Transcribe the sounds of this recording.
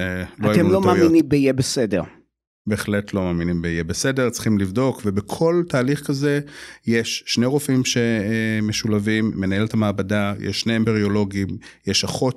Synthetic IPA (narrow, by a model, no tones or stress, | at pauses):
loateumlomaːminimbejebesedeʁ | be̞ːχle̞tlo̞maːminimbejebese̞deʁt͡sχimlivdo̞kvebekʰo̞ltaːliχkaze̞jeʃːneʁofimʃe̞meʃulavimːe̞nae̞letʰamaːbadajḛʃːneembeʁio̞lo̞ɡimjeʃaχo̞t